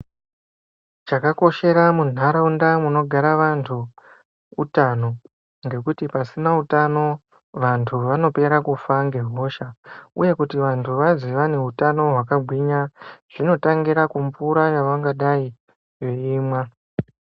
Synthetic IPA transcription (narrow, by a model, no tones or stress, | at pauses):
t͡ʃakako̞ʃe̞ɾamun̤aɾaundamuno̞ɡʱaɾaʋantʰuː | tano̞ | ŋɡe̞kutipasinautano̞ | ʋantʰuʋano̞pe̞ɾakufaŋɡe̞ɦo̞ʃauje̞kutiʋantʰuʋaziʋane̞ɦutano̞ɦwakaɡʱwiɲaʐ̥ino̞taŋɡiɾakumfuɾajaʋaŋɡaɗai | je̞iːmwa